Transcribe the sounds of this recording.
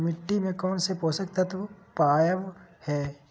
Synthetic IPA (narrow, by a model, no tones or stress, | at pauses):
mɪʈːimẽkɔːnsepoːsək̚t̪at̪opaːjəʋhɛː